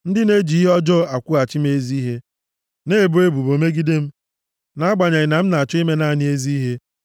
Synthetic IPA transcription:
n̩˦dɪ˦ne˦d͡ʒi˨i˦ɦe˦ɔ˦d͡ʒɔ˦a˨kʷu˦a˨t͡ʃi˦m̩˦e˦zi˦ɦe˦ | ne˦e˨bu˦e˦bu˨bo˨me˦ɡi˦de˦m̩˦ | na˦a˦ɡ͡ba˨ɲa˨ɲɪ˨na˨m̩˦na˨t͡ʃɔ˦i˦me˦na˦˨nɪ˦e˦zi˦ɦe˦

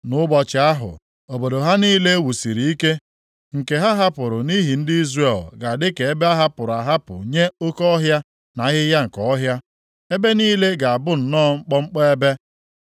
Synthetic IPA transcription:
nʊ˦bɔ˨t͡ʃɪ˨a˦ɦʊ̰˨ | o˨bo˨do˨ɦa˦niː˦le˦e˦wu˨si˨ɾi˨i˦ke˦ | ŋ̩˨ke˨ɦa˦ɦa˦pʊ˨ɾʊ˨ni˦ɦi˨n̩˦dɪ˦i˦zre˦˨lɡa˨dɪ˦ke˨e˦be˦a˦ɦa˦pʊ˨ɾa˨ɦa˦pʊ̰˨ɲe˦o˦kɔ˦ɦja˦ | na˨˦ɣɪ˦ja˦ŋ̩˨kɔ˦ɔ˦ɦja˦ | e˦be˦niː˦le˦ɡa˨a˨bʊ˦n̩˨nɔː˦˨ŋ͡m̩˦k͡pɔ˦ŋ͡m̩˦k͡pɔ˦e˦be˦

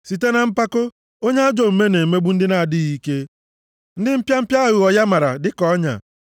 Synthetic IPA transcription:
si˨te˦na˨m̩˦pa˦ko˦ | o˦ɲe˦a˦d͡ʒo˨m̩˨me˦ne˨me˦ɡ͡bu˦n̩˦dɪ˦na˨dɪ˦ɣi˦ke˦ | n̩˦dɪ˦m̩˦pja˦m̩˦pja˦ɣu˨ɔ˨ja˦ma˨ɾa̰˨dɪ˦kɔ˦ɲa̰˨

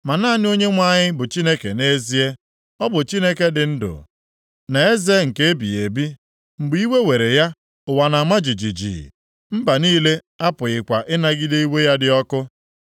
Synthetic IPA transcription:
ma˨naː˦nɪ˦o˦ɲe˦ŋʷa˦˨ɲɪ˦bʊ˨t͡ʃi˦ne˦ke˨ne˦zi˦e˦ | ɔ˦bʊ˨t͡ʃi˦ne˦ke˦dɪ˨n̩˦dʊ̰˨ | na˨e˦ze˦ŋ̩˨ke˦e˦bḭ˨e˨bi˦ | ŋ͡m̩˨ɡ͡bi˦we˦we˨ɾe˨ja˦ | ʊ˨wa˨na˨ma˦d͡ʒi˨d͡ʒi˨d͡ʒḭ˨ | m̩˦ba˨niː˦le˦ | a˦pʊ˨ɣɪ˨kʷa˨ʔɪ˦na˦ɡɪ˦de˦i˦we˦ja˦dɪ˨ɔ˦kʊ˦

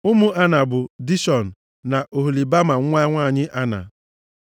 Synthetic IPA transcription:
ʊ˦mʊ˦a˦na˨bʊ˨di˦ʃɔ˨n̩˨ | na˨ʔo˨ɦu˨li˨ba˦ma˨ŋ̩˦ŋʷa˦ŋʷaː˦˨ɲɪ˦ʔa˦na̰˨

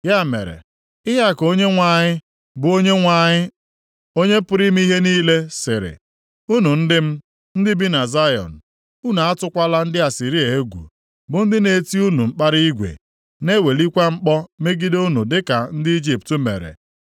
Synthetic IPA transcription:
ja˦˨mḛ˨ɾḛ˨ | ɪ˦ɦa˦˨ko˦ɲe˦ŋʷa˨ɲɪ˦ | bʊ˨o˦ɲe˦ŋʷa˨ɲɪ˦ | o˦ɲe˦pʊ˦ɾi˦m̩˦i˦ɦe˦niː˦le˦sɪ˨ɾɪ̰˨ | u˦nu˨n̩˦dɪ˦m̩˦ | n̩˦dɪ˦bi˦na˨za˦jɔ̰˨n̩˨ | u˦nu˨a˦tʊ˦kʷa˦la˦n̩˦dɪ˦a˨si˨ɾi˦e˨e˦ɡʷṵ˨ | bʊ˨n̩˦dɪ˦ne˨ti˦u˦nu˨ŋ͡m̩˦k͡pa˦ɾi˦i˦ɡʷḛ˨ | ne˦we˨li˦kʷa˦ŋ͡m̩˦k͡pɔ˦me˦ɡi˦do˦u˦nu˨dɪ˦ka˨n̩˦dɪ˦i˦d͡ʒi˨ptu˦mḛ˨ɾḛ˨

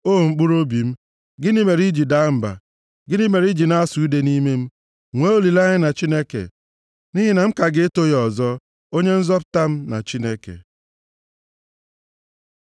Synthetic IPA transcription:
o˦˨ŋ͡m̩˨k͡pu˦ɾo˦bi˨m̩˦ | ɡɪ˦ni˦me˨ɾi˦d͡ʒi˨da˨˦m̩˨ba̰˨ | ɡɪ˦ni˦me˨ɾi˦d͡ʒi˨na˦a˦su˨˦de˦ni˦me˦m̩˦ | ŋʷe˦o˦li˨la˦ɲɪ˦na˨t͡ʃi˦ne˦kḛ˨ | ni˦ɦi˦na˨m̩˦ka˨ɡɪ˦e˦to˦jɔ˨zɔ˦ | o˦ɲe˦n̩˦zɔ˦pʊ̥˨ta˦m̩˦na̰˨t͡ʃi˦ne˦kḛ˨

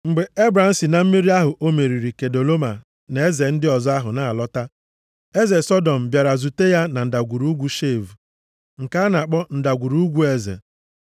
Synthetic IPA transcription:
ŋ͡m̩˨ɡ͡be˨e˦bɾa˨n̩˦si˨na˨m̩˦mi˦ɾi˦a˦ɦʊ˨ʔo˦me˨ɾi˨ɾi˨ke˨do˨lo˦ma˨ | ne˨e˦ze˨n̩˦dɪ˦ɔ˨zɔ˦a˦ɦʊ˨na˨a˨lɔ˦ta˦ | e˦ze˨sɔ˦dɔ˨m̩˨bja˨ɾa˨zu˨te˦ja˦na˨n̩˨da˨ɡʷu˨ɾu˦ɡʷu˦ʃe˦˨vu˨ | ŋ̩˨ka˦na˨k͡pɔ˦n̩˨da˨ɡʷu˨ɾu˦ɡʷu˦e˦zḛ˨

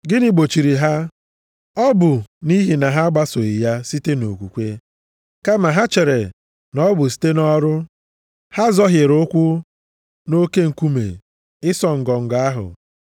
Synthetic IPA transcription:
ɡɪ˦ni˦˨ɡ͡bo˨t͡ʃi˨ɾi˨ɦa˦ | ɔ˦bʊ˨ni˦ɦi˨na˨ɦa˦ɡ͡ba˦so˨i˨ja˦si˦te˦no˨kʷu˨kʷe˦ | ka˦ma˨ɦa˦t͡ʃe˨ɾe˨ | nɔ˦bʊ˨si̥˦te˦nɔ˦ɾʊ˦ | ha˦zɔ˦ɦɪ˨ɾʊ˦kʷʊ˦ | no˦ke˦ŋ̩˨ku˦mḛ˨ | ɪ˦sɔ˨ŋ̩˨ɡɔ˨ŋ̩˨ɡa˦ɦʊ̰˨

